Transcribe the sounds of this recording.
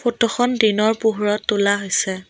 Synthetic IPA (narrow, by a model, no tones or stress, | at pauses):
pʰotɔxɔndinɔɹpuɦuɹɔtːʊlaɦojsɛ